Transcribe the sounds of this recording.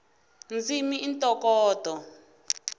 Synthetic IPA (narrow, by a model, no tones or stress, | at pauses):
nd͡zimiintʼɔkɔːd̥ʱɔ